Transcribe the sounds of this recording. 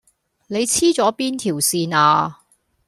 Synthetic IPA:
ne˨˧jt͡sʰiː˥t͡sɔː˨˥piː˥nt̪ʰiː˨˩wsiː˧naː˧

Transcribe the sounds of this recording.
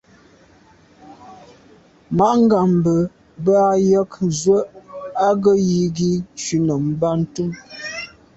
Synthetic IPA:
ma˨˦ʔŋ̩˦ɡa˨m˨bə˨ | ba˦jə˦kzwə˦ʔa˦ɡə˦ji˨ɡi˦t͡ʃʉ˨nə˨m̩˨ba˦n̩˦tu˦m

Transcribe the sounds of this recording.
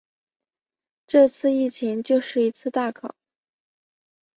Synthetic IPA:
ʈ͡ʂɤ˥˧t͡sʰɹ̩˥˧i˥˩t͡ɕʰi˧˥ŋt͡ɕjo˥˧ʊʂɻ̩˥˩i˧˥t͡sʰɹ̩˥˧t̪a˥˩kʰɑ˨˩˦

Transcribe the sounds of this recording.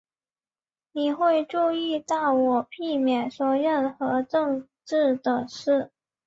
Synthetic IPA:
ni˨˩xwe˥˧ɪʈ͡ʂu˥˧i˥˧t̪ɑ˥˩ʊwɔ˨˩pʰi˥˧mjɛ˨˩nswɔ˨˩ɻə˥˩nxɤ˧˥ʈ͡ʂɤ˥˧ŋ | ʈ͡ʂɻ̩˥˩d̪ə˨˩ʂɻ̩˥˩

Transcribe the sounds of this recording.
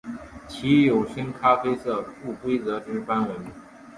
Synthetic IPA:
t͡ɕʰi˧˥jo˨˩ʊʂə˥nkʰa˥fe˥ɪsɤ˥˩fu˥˩kwe˥ɪt͡sɤ˧˥ʈ͡ʂɻ̩˥pa˥nwə˧˥n

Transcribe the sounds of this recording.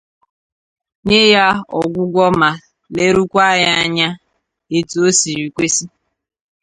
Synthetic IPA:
ɲe˦ja˦ɔ̰˨ɡʷʊ˦ɡʷɔ˦ma˨ | le˦ɾu˦kʷa˦ja˦ɲa˦ | e˨tu˨o˦si˨ɾi˨kʷe˦si˦

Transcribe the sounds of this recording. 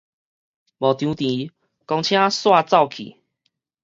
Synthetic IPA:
bɔ˨˩t̪jũ˨˧˦t̪i˨˦ | kɔ˧ŋt͡ɕʰj̃ã˦swa˥˧t͡sa˥˧ʊwkʰḭ˨˩

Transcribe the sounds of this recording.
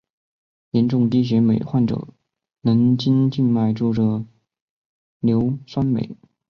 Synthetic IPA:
jjɛ˧˥nʈ͡ʂʊ˥˧ŋt̪i˥ɕ̬ɥɛ˧˥me˨˩ɪxwa˥˩nʈ͡ʂɤ̰˨˩˦ | nɤ˧˥ŋt͡ɕi˥nt͡ɕi˥˧nma˥˧ɪʈ͡ʂu˥˩ʈ͡ʂɤ˨˩ | ljo˧˥ʊswa˥nmḛ˨˩˦ɪ

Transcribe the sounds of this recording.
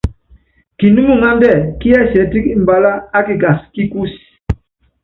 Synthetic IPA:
ki˨nu˦mu˦˨ŋa˦ndɛ˦˨ki˦a˦˨sɛ˨˦ti˦ki˦m̩˨ba˨la˦a˦ki˨ɡa˨ski˦ku˦s

